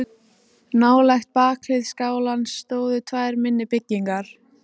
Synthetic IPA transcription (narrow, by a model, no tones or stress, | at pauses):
naːwlɛxt̪̚paːkʰlɪðskaːwlansːt̪oːwðʏt̪ʰvaːjɾmɪnːɪpɪcːiŋkaɾ̥